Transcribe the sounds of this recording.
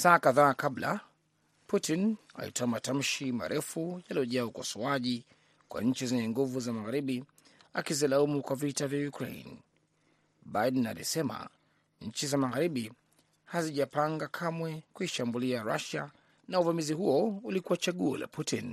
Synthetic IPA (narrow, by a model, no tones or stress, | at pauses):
saːkaðaːkabla̰ | putina̰lḭtʰɔamatam̩ʃima̰ɾʔɛfujaliɔʄaaukɔsɔaʄi | kwa̰ɲ̩t͡ʃizɛɲɛŋɡuvuzamaɣaɾiɓi | akizilaumukwavitavjajukɾḛḭn | ɓajdɛna̰lḭsɛma̰ | ɲ̩t͡ʃizamaɣaɾiɓi | haziʄapaŋɡakʰamwɛkuiʃambuliaɾa̰ʃa | nauvamiziɦuɔulikuat͡ʃaɠuɔ̰la̰pʰutin